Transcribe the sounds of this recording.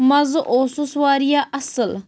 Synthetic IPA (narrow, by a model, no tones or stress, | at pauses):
mɐzʔoːsuswaːɾijaʔɐsəl